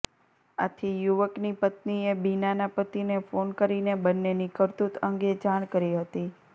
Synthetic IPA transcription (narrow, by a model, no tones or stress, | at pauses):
a̰t̪ʰijuʋəknipət̪niebinanapət̪inefonkəɾinebənːenikəɾt̪ut̪əŋɡed͡ʒaɽ̃kəɾiɦət̪i